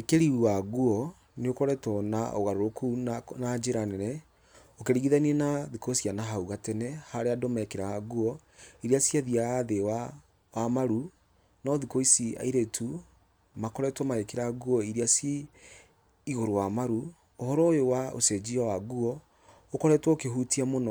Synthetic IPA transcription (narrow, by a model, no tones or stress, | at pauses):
ekeɾiwaɣuɔ | neokɔɾɛtɔnaoɣaɾoɾokunad͡ʒeɾanɛɾɛ | okeɾiɣiðaniɛnaðikosianaɦauɣatɛnɛhaɾeadomaɛkeɾaaɣuɔ | iɾiasiaðiaaðewa | wamaɾu | nɔðikoisia̰iɾetʰu | makɔɾɛtwɔmaɛkeɾaɣuɔiɾiasi | iɣoɾowamaɾu | ohɔɾɔewao̰sɛd͡ʑiawaɣuɔ | okɔɾɛtwɔokeɦutiamonɔ